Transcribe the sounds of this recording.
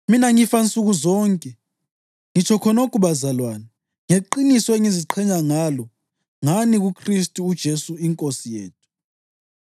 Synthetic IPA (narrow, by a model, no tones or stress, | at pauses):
minaŋifant͡sʼuɣuzɔːŋkʼɛ | ŋit͡ʃʰɔkʰɔnokʰʼuɓazalwaːna | ŋeǃinisɔeŋiziǃʰɛɲaŋalɔ | ŋaniɣukʰristʼuːd̥ʒ̥ʱesuiŋkʼosijḛːtʰu̥